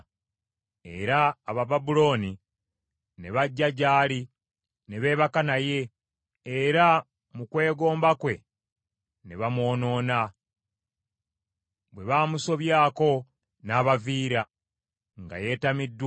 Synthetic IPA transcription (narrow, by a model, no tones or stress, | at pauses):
e̞̰ɾaːβababulo̞ni | ne̞βaɟːaɟaːli | neβe̞ːβakanaje̞ː | ɾa | mukwe̞ːɡo̞ːmbakwe̞ | neβamwo̞ːno̞ːna | βwe̞βaːmuso̞βjaːko̞ | naːβaviːɾa | ŋɡa̰je̞ːtamidːw